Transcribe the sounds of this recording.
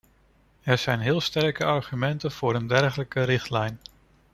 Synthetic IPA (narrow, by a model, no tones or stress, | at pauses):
ɛɹz̥ɛjnɦɪːlˠstɛɹkəɑɹχymɛntənv̥ʊːɾəndɛɹχələkəɾɪχtlɛjn